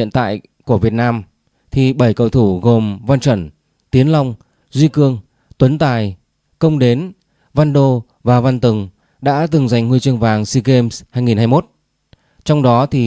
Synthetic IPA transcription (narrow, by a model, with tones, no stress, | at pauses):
ḭ˧˨ənt̪a̰ː˧˨j | ku˧˩əvi˨˩ət̚naː˧m | t̪ʰi˨˩ɓə˧˩jkə˧˩wt̪ʰu˧˩ɣo˨˩mva˧nt͡ɕwə˧˩n | t̪i˨˦ənla˧wŋ͡m | zwi˧kɨ˧əŋ | t̪wə˨˦nt̪aː˨˩j | kə˧wŋ͡mɗe˨˦n | va˧nɗo˧ | vaː˨˩va˧nt̪ɨ˨˩ŋ | ɗa̰ː˧˥t̪ɨ˨˩ŋza˨˩jŋ̟ŋwi˧jt͡ɕɨ˧əŋvaː˨˩ŋsi˧ɣe˧mshaː˧jŋi˨˩nhaː˧jmo˦˥t̚ | t͡ɕɔ˧wŋ͡mɗɔ˨˦t̪ʰi˨˩